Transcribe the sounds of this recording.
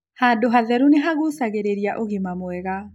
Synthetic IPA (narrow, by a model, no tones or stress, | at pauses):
haːdoɦaðɛɾuneɦaɣusaɣeɾeɾiaʔoɣimamwɛɣa